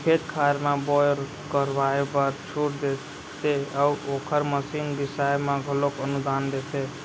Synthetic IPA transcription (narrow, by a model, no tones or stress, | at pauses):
kʰet̪kʰaɾmãbɔɾ | kəɾʋaebəɾt͡ʃʰuʈd̪e | t̪eəuokʰəɾməsiːnbɪsajmãɡʱəlokənud̪and̪et̪e